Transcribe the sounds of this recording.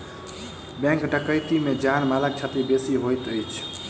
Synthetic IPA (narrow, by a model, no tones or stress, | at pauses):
bɛ̃ŋkɖəkəjt̪imed͡ʒanmalək̚t͡ʃʰat̪ibesiɦojt̪əjt͡ʃʰ